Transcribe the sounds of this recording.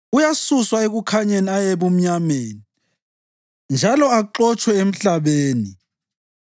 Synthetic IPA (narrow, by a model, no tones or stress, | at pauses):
ujasuswaeɣukʰaɲeniajeβum̩ɲameːni | nd͡ʒʱalɔaǁɔt͡ʃʰʼwɛem̩ɬaβeːni